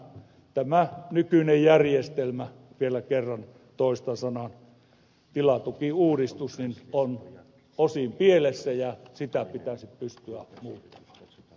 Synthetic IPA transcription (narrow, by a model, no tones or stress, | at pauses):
t̪æmænykynejjærjest̪elmæ | ʋielækerːɑn | t̪oˑist̪ɑsɑnɑn | t̪ilɑt̪ukiuːdist̪usninon | osimpielesːæjɑsit̪æpit̪æsippyst̪yæmuːt̪ːɑ̥mɑ̥ː